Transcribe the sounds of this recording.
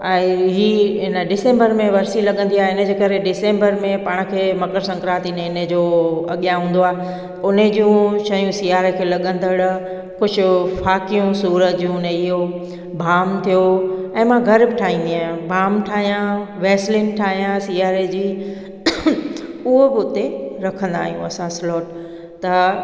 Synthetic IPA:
ɛ̃ːɦiːɦɪnəɖɪsẽːmbəɾmẽʋɐɾsilɐɠə̃n̆d̪iaːɦeɪnə̆d͡ʑeːkɐɾeɖɪsẽːmbəɾmẽpaːɽ̃kʰeːmɐkəɾsɐ̃ŋkɾaːt̪ineːned͡ʑoɐɠijãɦũːnd̪oaːɦe | ʊned͡ʑjũʃɐɦjũsiːaːɾekʰeːlɐɠə̃nd̪ʱəɽ | kʊd͡ʑʊ̆faːkijũsuːɾət̪d͡ʑũneɪɦo | bʱaːmt̪ʰijoɛ̃ːmãɡʱɐɾbɪʈʰaːɦĩːnd̪iaːɦjũbʱaːmʈʰaːɦijãʋeːslɪ̃nʈʰaːɦijãsiːaːɾed͡ʑiː | ʊɦobɪʊt̪eɾɐkʰə̃nd̪a̰ːɦijũɐsãslɔːʈ | t̪ɐ

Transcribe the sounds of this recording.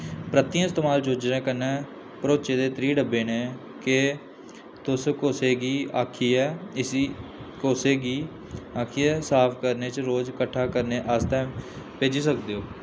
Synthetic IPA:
pɾət̪ɪjãːɪst̪eːmaːld͡ʒoːd͡ʒɾẽːkənɛː | pɾoːt͡ʃeːd̪eːt̪ɾiːɖəbeːnẽː | ke | t̪ʊskoːseːɡiːaːkʰiːɛːɪsikoːseːɡiː | aːkʰiːɛːsaːpʰkəɾneːt͡ʃɾoːd͡ʒkəʈʰːaːkəɾneːʔəst̪aːmpeːd͡ʒiːsəkd̪eːoː

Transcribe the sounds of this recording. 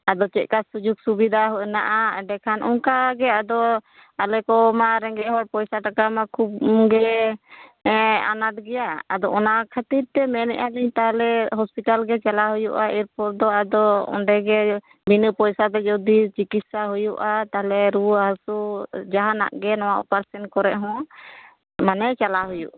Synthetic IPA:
ad̪ɔt͡ʃɛt̪̚ˀkasud͡ʒuɡ̚subid̪ʱaɦɔʔnaʔaɖɛkʰanʔɔŋkaɡɛad̪ɔ | alɛkɔmaɾɛŋɡɛɦɔɾ̚pɔjsaʈakamakʰup̚ɡɛ | a̰nat̪̚ɡɛjaːd̪ɔɔnakʰət̪iɾt̪ɛmɛnɛ̰ʔaliɲt̪aɦlɛɦɔspiʈalɡɛt͡ʃalaɦujuʔaiɾpɔɾd̪ɔad̪ɔɔ̰ɳɖɛɡɛ | binəpɔjsat̪ɛd͡ʒɔd̪it͡ʃikit̪̚saɦujuʔat̪aɦalɛɾuɦasud͡ʒaɦana̰ʔɡɛnɔwaʔpaɾsɛnkɔɾɛʔ̚ɦɔ̃ | manɛt͡ʃalaɦujṵʔ

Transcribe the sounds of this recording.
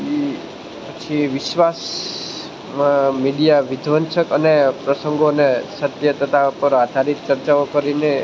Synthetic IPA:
i | pət͡ʃʰiʋɪʃʋas | mãmiɗijaʋɪd̪ʱʋənʃəkənepɾəsəŋɡonesət̪jət̪ət̪apəɾad̪ʱaɾit̪̚t͡ʃəɾt͡ʃaokəɾine

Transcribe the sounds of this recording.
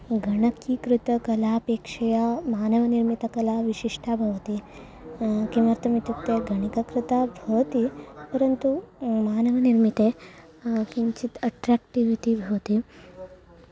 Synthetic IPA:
ɡʱɐɳɐkikɾɪt̪ɐkɐlaːpeːkʂɐjɐmaːnɐʋɐniɾmit̪ɐkɐlaʋiʃiʂʈʰabʱɐʋɐt̪i | kimɐɾt̪ɐmit̪uk̚t̪eɡʱɐɳikɐkɾɪt̪abʱɐʋɐt̪ipɐɾɐnt̪umaːnɐʋɐniɾmit̪e | kiɲt͡ʃit̪ɐʈɾaːk̚ʈiʋiʈibʱɐʋɐt̪i

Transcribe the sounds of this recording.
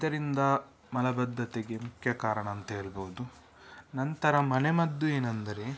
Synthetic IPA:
id̪ɐɾind̪ɐ | mɐlɐbɐd̪ʱːɐt̪eɡe̞mukʰjɐkaːɾɐɳɐːnt̪ɐɦeːɭboʋud̪u | nɐnt̪ɐɾɐmɐnemɐd̪ːueːnɐnd̪ɐɾe̞

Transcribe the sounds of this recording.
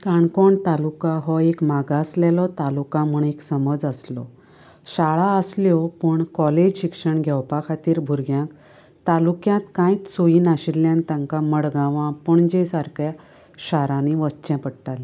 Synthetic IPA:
kaɳkɔɳt̪alukaɦɔekmaɡaslɛlɔt̪alukãmuɳeksəməd͡zəslɔ̰ | ɕaɭaəsljɔpəɳkɔled͡ʑɕikʂəɳɡʱɛwpakʰat̪iːɾbʱuɾɡjãk | t̪alukjãt̪kãjt͡ssoiːnaɕilːjãnt̪ãŋkaməɽɡãʋãpəɳd͡ʑesaɾkja | ɕaɾãniʋətːt͡ɕɛ̃pəɽʈale

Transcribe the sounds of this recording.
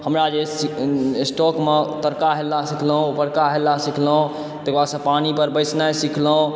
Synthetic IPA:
həmɾad͡ʒesisʈɔkmet̪əɾkaɦelːasikʰləɦõpəɾkaɦelːasikʰləɦõ | t̪ekbasə̃panipəɾbəɪsnasikʰləɦõ

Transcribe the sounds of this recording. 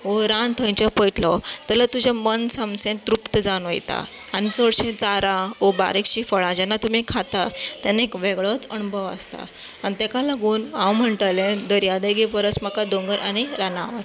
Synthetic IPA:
oɾant̪ʰəjɲt͡ɕapəjʈlɔt̪ɛlat̪ud͡ʑʱamənsəmsẽt̪ɾupt̪əd͡zanʋə̰jt̪a̰ | añit͡səɽɕẽt͡saɾaoba̰ɾekɕiːfəɭãd͡ʑɛnːat̪um̤ikʰat̪at̪anekʋeɡɭɔt͡səñubʱəʋa̰st̪a̰anit̪ɛkalaɡuːnãwm̤əɳt̪alẽd̪əɾijad̪əjɡepəɾət͡sm̤akad̪õŋɡəɾʔañiɾanaʋa

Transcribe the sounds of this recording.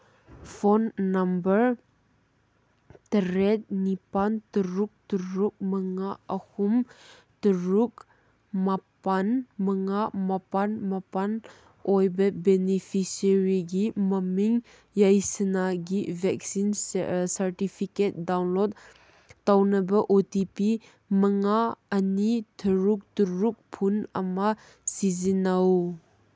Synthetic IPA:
fɔnːɐmbəɾ | t̪əɾɛt̪̚nipant̪əɾuk̚təɾuk̚məŋaəhum | t̪əɾuk̚ | mapanməŋamapanmɐpan | ʔɔjbɐbɛnifʰisəɾiɡimɐmiŋ | jɐjsɐnaɡivʱɛk̚sinsɐɾtipʰiket̚dawnlod | tawnɐbɐʔotipi | mɐŋaɐnitʰɐɾuk̚tuɾuk̚pʰunɐ̰ma | sizinɐw

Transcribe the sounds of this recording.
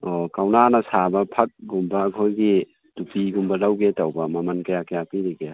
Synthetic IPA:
okawnanɐsabɐpʰɐk̚ɡumbɐːkʰojɡi | tupiɡumbɐlawɡetawbɐmɐmɐnkajakajapiɾiɡe

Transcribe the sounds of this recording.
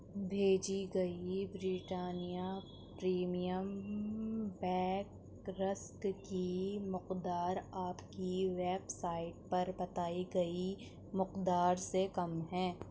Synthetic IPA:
bʱeːd͡ʒiɡɐibɾiːʈaːnija | pɾiːmijəm | bɛ̃ːk | ɾɐskkimʊqd̪aːɾaːpkiʋeːbsaːɪʈ̚pɐɾbɐt̪aːiɡɐi | mʊqd̪aːɾsekɐmɦɛ̃ː

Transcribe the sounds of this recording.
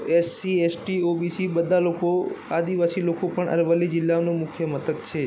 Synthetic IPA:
esːiesʈiobisibəd̪ʱalokoad̪iʋasilokopəɳʔə̰ɾʋəlid͡ʒɪlːaonõmʊkʰjəmət̪ʰəkt͡ʃʰe

